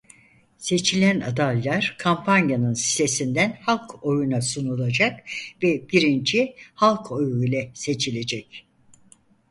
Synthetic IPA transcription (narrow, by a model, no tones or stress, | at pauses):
se̞t͡ʃʰilʲæna̰d̪alʲːaɾ̥kʰampʰanjanɯnsi̥t̪e̞sind̪ænhalˠkʰo̞junasunulˠad͡ʒakvɛbiɾint͡ʃʰihalˠkʰo̞juilʲɛse̞t͡ʃʰilʲe̞d͡ʒɛc